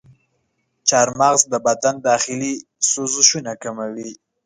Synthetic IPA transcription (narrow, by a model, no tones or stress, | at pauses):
t͡ʃɑɾmɑɣzd̪əbat̪and̪ɑxɪli | sozʊʃunakamawi